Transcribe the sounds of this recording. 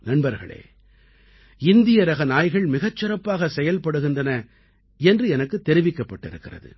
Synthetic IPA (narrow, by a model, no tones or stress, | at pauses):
nɐnbɐɾɣɐ̰ɭḛː | ɪnd̪ɪjɐɾɐɣɐnaːjɣɐɭmɪɣɐt͡ʃːɪrɐpːaːɣɐsɛjɐlpɐɽɯɣɪndrɐnɐ | ɛndrɯɛnɐkːɯt̪ːɛɾɪʋɪkːɐpːɐʈːɪɾɯkːɪrɐ̰ðɯ̰